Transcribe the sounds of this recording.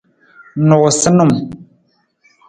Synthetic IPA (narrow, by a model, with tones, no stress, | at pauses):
nʊ˨ʔsə˦nu˦˨m